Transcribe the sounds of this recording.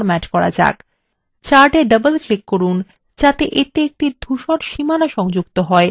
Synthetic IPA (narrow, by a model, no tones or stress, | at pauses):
ɾmɛt͡ɕkɔɾa̰d͡ʑa̰k | t͡ɕaɾʈeɖəbəlklikːoɾun | d͡ʑat̪eʔet̪eek̚ʈid̪ʱuʃoɾʃimanaʃɔŋd͡ʑuk̚t̪oɦɔe